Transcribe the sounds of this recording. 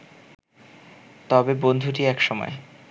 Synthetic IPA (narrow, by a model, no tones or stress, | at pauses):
t̪ɔbebond̪ʱuʈiɛkʃɔmɔ̰e